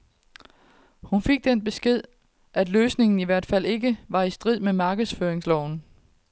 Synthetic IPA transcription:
hunfe̝ɡ̥̚d̥enb̥e̝sɡ̥e̝ð̞̰ˠ | ʔæd̥løːsne̝ŋn̩iʋæɐ̰d̥fæl̰e̝ɡəʋɑ̈isd̥ʁið̞̰ˠmemɑ̈ːɡ̥əðˠsføɐeŋslɒʊ̰n

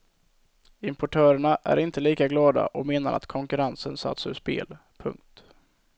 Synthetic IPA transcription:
ɪmpɔʈʰœːɾəɳaʔæ̰ɾɪnt̪əliːkaɡlɑːd̪a̰ʔɔmeːnaɾʔa̰t̪kʰɔŋkɵɾansənsa̰t̪sɵʂpḛːl | pʰɵ̰ŋk̚t̪

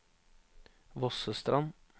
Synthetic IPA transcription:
ʋɔsəst̪ɾʔɑn

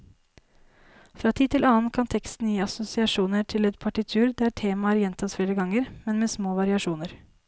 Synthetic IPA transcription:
fɾɑːt̪ʰiːt̪ʰɪlɑːnkʰɑnt̪ʰɛkst̪n̩jiːɑsʊsɪɑʂuːnəʈʰɪlɛt̪pʰɑʈɪt̪ʰʉːɾd̪æʈʰeːmɑəɾjɛnt̪ʰɑsfleːɾəɡɑŋːəɾmɛnmeːsmoːʋɑɾɪɑʂuːnəɾ

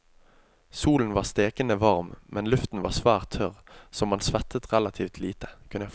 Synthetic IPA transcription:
suːln̩ʋɑːst̪eːkənəʋɑʁmmʔɛnlʉft̪n̩ʋɑ̰ːʁsʋæːʁt̪ʰœʁsɔmɑnsʋɛt̪ʰət̪ʁɛlɑt̪ʰiːft̪ʰliːt̪ə̥kʰʉnəjæ

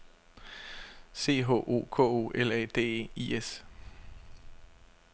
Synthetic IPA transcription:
se̝̰ːɦo̝̰ːʔo̝̰ːkʰɔ̰̽ːo̝̰ːelɛ̰d̥e̝̰ːiːes

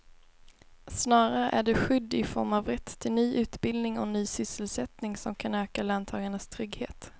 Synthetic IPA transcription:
snɑːɾaɾəʔæɖɛɧʏd̪ːɪfɔ̰ɾmavɾɛt̪ʰːɪlnyːʔʉ̟ːt̪bɪld̪nɪŋɔnyːsʏsəlsɛt̪nɪŋsɔmkʰanøːkalant̪ʰɑːɡanɳəst̪ʰɾʏɡheːt̪

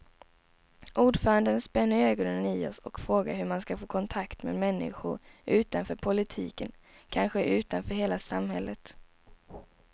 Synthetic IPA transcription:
ʔuːɖfœːɾand̪ənspɛnːəɾøːɡɔnənɪɔsɔkfɾoːɡa̰ɾɦɵmanskafoːkʰɔnt̪ʰakt̪mḛd̪mɛnːɪ̰ɧʊ̰ɾʔʉ̟ːt̪anfœːɾpʰʊlɪt̪ʰḭːkən | kʰanɧəʔʉ̟ːt̪anfœːɾɦeːlasamhɛlːət̪

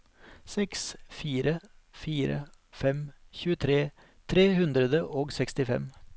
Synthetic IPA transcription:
sɛksfiːɾəfiːɾə̰ | fɛmçʉːət̪ʰɾeː | t̪ʰɾeːhʉnd̪ɾəd̪əʔoːɡsɛkst̪ɪfɛ̰m

